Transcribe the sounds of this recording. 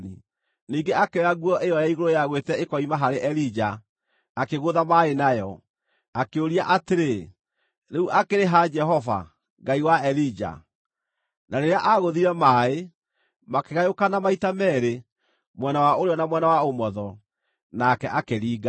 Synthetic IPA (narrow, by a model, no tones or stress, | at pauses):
nḭ | niːŋɡeakeaɣwɔʔejɔjaiɣoɾojaɣwetɛekɔimaɦaɾeʔɛlid͡ʒaː | keɣoːðamaenajɔ | akeoɾiaʔateɾe | neuʔakeɾeɦad͡ʒɛɦɔva̰ | ŋɡaiwaɛɾid͡ʒa̰ | naɾeɾeaʔaɣoðiɾɛmaːe | makeɣajokanamaitamɛːɾe | mwɛnawaoɾeɔnamwɛnawaomɔðɔ | nakɛʔakeɾiːɣa